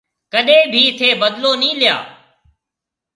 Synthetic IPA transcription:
kəɗẽːbʱiːt̪ʰeːbəd̪loːnĩːlɪja̰ː

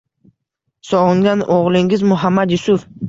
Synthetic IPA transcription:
sɒʁɨŋd̪anʔoʁlˠɪŋɪzmʊɦamːad̪jʊsʊf

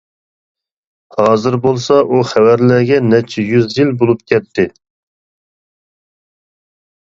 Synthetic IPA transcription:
hɑːzɨɾbolˠsɑʔuχæwæɾlæɡʲɛnɛt͡ʃʰɛjyzjilbolˠup̚kʲʰɛt̪ʰːɪ

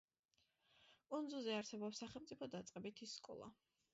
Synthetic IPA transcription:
kʼund̪zulˠzɛaɾsɛbɔpsːaχɛlˠmt̪sʼipʰɔd̪at̪sʼqʼɛbit̪ʰisːkʼɔ̰lˠa̰

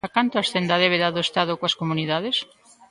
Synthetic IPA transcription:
akant̪oasθend̪aðɛβeðaðoest̪aðokoɐskomuniðaðes

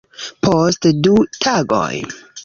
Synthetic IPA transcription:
pʰostdutʰaɡo̰j

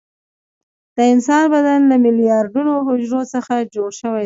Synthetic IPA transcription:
d̪̥əɪnsɑnbad̪anlamɪlijɑɾɖunoɦʊd͡ʒɾot͡səxad͡ʒoɽʃəwaj

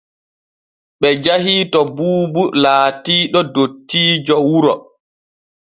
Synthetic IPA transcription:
ɓɛd͡ʒahiːtɔbuːbulaːtiːɗɔdotːiːd͡ʒɔwuɾɔ

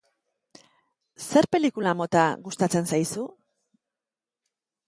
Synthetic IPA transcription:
se̞ɾpe̞likulamo̞t̪aɣust̪at͡se̞nsajsu

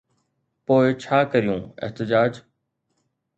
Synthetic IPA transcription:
poːɪt͡ʃʰaːkəɾijũːɪ̰ht̪ɪd͡ʒaːd͡ʒ

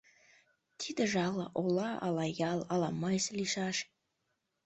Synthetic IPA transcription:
t̪ʰid̪əʒɑlɑʔolˠɑɑ̰lɑjɑlˠɑlɑmɑjslʲiʃɑʃ

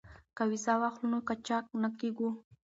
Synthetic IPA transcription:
kawizawaχlunokat͡ʃak̚nakeɡu

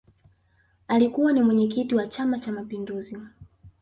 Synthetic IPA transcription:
alikuwanimwɛɲɛk̬itiwat͡ʃamat͡ʃamapinduzi

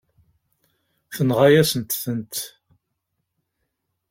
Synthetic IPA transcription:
θənʁajæsənt̪θənt̪

